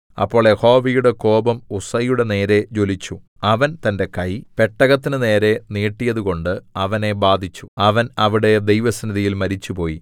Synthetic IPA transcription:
ɐ̰pːo̞ːɭjeho̞ːʋijuɽe̞ko̞ːbɐmusɐjuɽe̞ne̞ːɾe̞d͡ʑo̞lit͡ɕːu | ɐʋɐnt̪ɐnde̞kɐjpe̞ʈːɐɣɐt̪ːinɨne̞ːɾe̞niːʈːijɐðuko̞ɳɖɨɐʋɐne̞baːd̪ʱit͡ɕːu̥ɐʋɐnɐʋiɽe̞d̪ejʋɐsɐnɐðijilmɐɾit͡ɕːupo̞ːji

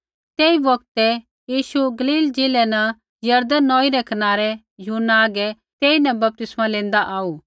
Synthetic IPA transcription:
t̪eːiʋɐkt̪ɛ | jiːʃuɡɐliːld͡ʒɪːlɛnã | jɐɾd̪ənːɔ̃ːiɾɛkɐnaːɾɛ | jʊɦnːaːɡɛ | t̪eːinɛ̃bɐp̚t̪ɪsmãlẽːnd̪aʔaːuː

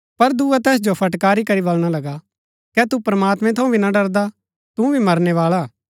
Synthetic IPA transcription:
pɐɾd̪uːat̪ɛːs̬d͡ʒopʰɐʈkaːɾikɐɾibɐlɽ̃alɐɡa | kɛt̪upɾɐmaːt̪meɛ̃t̪ʰɐũbʱinaɖɐɾd̪a | t̪ũbʱimɐɾneʋaːɭa

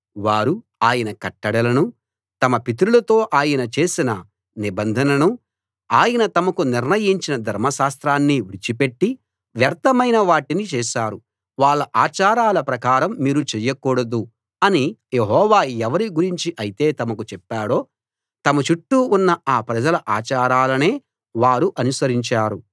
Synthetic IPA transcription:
ʋaːɾu | aːjɐnɐkɐʈːɐɽɐlɐnu | t̪ɐmɐpit̪̬ɾulɐt̪o̞ːʔaːjɐnɐt͡ʃe̞ːsinɐ | nibɐnd̪ʱɐnɐnu | aːjɐnɐt̪ɐmɐkuniɾnɐjiɲt͡ʃinɐd̪ʱɐɾmɐʃaːst̪ɾaːnːiʋiɾt͡ʃipe̞ʈːi | ʋjɐɾt̪ɐmɐjnɐʋaːʈinit͡ʃeːʃaːɾu | ʋaːɭːɐʔaːt͡ʃaːɾaːlɐpɾɐkaːɾɐmːiːɾut͡ʃɛjɐkuːɽɐd̪u | ɐnijeɦɔːʋaːɛʋɐɾiɡuɾiɲt͡ʃiʔɐjit̪e̞ːt̪ɐmɐkut͡ʃɛpːaːɽo̞ː | t̪ɐmɐt͡ʃuʈːuːnːɐaːpɾɐd͡ʒɐlɐʔaːt͡ʃaːɾaːlɐne̞ː | ʋaːɾuʔɐnusɐɾiɲt͡ʃaːɾu

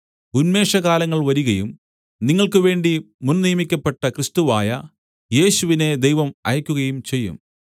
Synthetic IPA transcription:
unme̞ːʂɐɣaːlɐŋːɐɭʋɐɾuɣɐjum | niŋːɐɭkɨʋe̞ːɳɖi | munnijɐmikʲːɐpːe̞ʈːɐkrɨst̪uʋaːjɐ | je̞ːɕuʋine̞d̪ejʋɐmɐ̰jɐkʲːuɣɐjumt͡ɕe̞jːṵm

